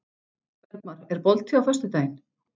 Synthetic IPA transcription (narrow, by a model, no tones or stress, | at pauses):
vɛɾp̚maɾɛɾpɔlt̪ʰːiawfœ̥st̪ʏt̪aːjn